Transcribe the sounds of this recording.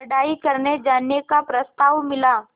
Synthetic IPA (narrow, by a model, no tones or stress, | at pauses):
ɽaːikɐɾned͡ʒaːnjekapɾɐst̪aːʋmɪlaː